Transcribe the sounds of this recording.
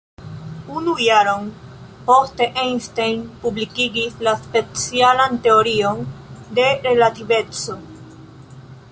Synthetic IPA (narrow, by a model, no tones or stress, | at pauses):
unujaɾo̞n | po̞ste̞ʔejnstejnpublikiɡislaspe̞t͡sialante̞oɾio̞nde̞ɾe̞lative̞t͡so̞